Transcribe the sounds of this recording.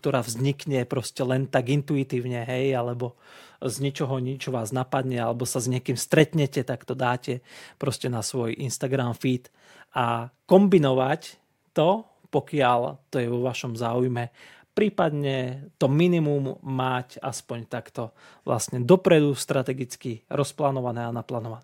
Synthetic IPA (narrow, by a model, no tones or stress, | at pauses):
kt̪ɔɾaːvzɲikɲɛpɾɔscɛlɛnt̪aɡint̪uit̪iːʊɲɛɦɛjalɛbɔzɲit͡ʃɔɦɔɲit͡ʃɔʋaːznapad̪ɲɛalɛbɔsazɲɪɛkiːmst̪ɾɛt̪ɲɛcɛt̪akt̪ɔd̪aːcɛpɾɔscɛnasʋɔjʔinst̪aɡɾamfit̪ | akɔmbinɔʋac | t̪ɔ | pɔkɪaʎt̪ɔjɛʋɔʋaʃɔmzaːujmɛ | pɾiːpad̪ɲɛt̪ɔminimumːaca̰spɔɲt̪akt̪ɔʋlʔa̰sɲɛd̪ɔpɾɛd̪ust̪ɾat̪ɛɡit͡skiɾɔsplaːnɔʋanɛːanaplaːnɔʋanɛː